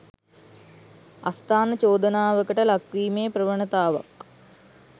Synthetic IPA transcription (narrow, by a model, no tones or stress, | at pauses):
a̰st̪aːnət͡ʃoːd̪ənaːʋəkəʈəlakʋiːmeːprəʋəɳət̪aːʋa̰k